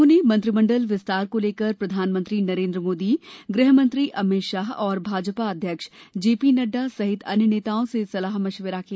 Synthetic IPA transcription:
unemɐ̃nt̪ɾɪmə̃ɳɖəlʋɪst̪aːɾkoleːkəɾpɾɐd̪ʱaːnmə̃nt̪ɾinɐɾẽːnd̪ɾəmoːd̪iɡɾɪɦmə̃nt̪ɾiʔɐmɪʃaːɦɔːɾbʱaːd͡ʒpaɐd̪ʱjəkʃd͡ʒeːpinɐɖːasɐɦɪt̪ʰɐnjneːt̪aːõsesɐlaːɦmɐʃʋeɾake

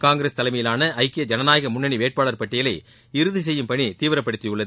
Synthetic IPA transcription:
kaːŋɡɪɾeːst̪ɐlɐɪmɐjɪlaːnɐʔɐɪkːɪjɐd͡ʒɐnɐnaːjɐɣɐmʊɳːɐniʋeːʈ̚paːɭɐɾpɐʈːɪjɐlɐɪ | ɪɾɯðɯs̬ɛjːɯmpɐɳit̪iːʋɪɾɐpːɐɽɯt̪ːɪjɯɭːɐð

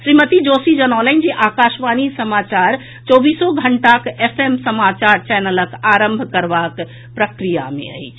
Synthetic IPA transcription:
ʃɾimət̪id͡ʒosid͡ʒənaʋlənd͡ʒeʔakaʃʋanisəmat͡ʃaɾ | t͡ʃɔbisɔoɡʱəɳʈakepʰemsəmat͡ʃaɾt͡ʃɛnələkaɾəmbʱkəɾʋak | pɾəkɾija̰mḛə̰jt͡ʃʰ

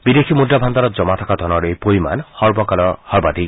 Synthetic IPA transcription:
bid̪ekʰimuɖabʱand̪aɾɔd͡ʒɔmat̪ʰakad̪ʱɔnɔɾejpoima̰nhɔɹbɔkalɔhɔɾbad̪i

